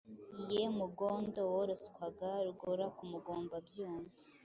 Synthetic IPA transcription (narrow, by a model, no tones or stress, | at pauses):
ijemuɡoːndowoɾoskwaɡaɾuɡoɾakumuɡoːmbabjuːɱvi